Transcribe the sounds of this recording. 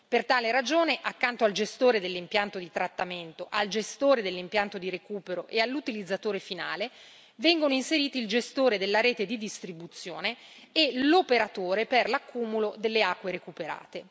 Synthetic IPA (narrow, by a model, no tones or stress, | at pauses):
pert̪aːleɾad͡ʒoːneʔakːant̪oald͡ʒest̪oːɾed̪elːimpjant̪od̪it̪ɾat̪ːament̪oʔald͡ʒest̪oːɾed̪elːimpjant̪od̪iɾekuːpeɾoʔealːut̪ilid̪zːat̪oːɾefina̰ːle | vɛŋɡonoinseɾiːt̪iːld͡ʒest̪oːɾed̪elːaɾɛːt̪ed̪id̪ist̪ɾibut̪sːjoːne | elopeɾat̪oːɾeperlakːuːmulod̪elːeakːweɾekupeɾa̰ːt̪e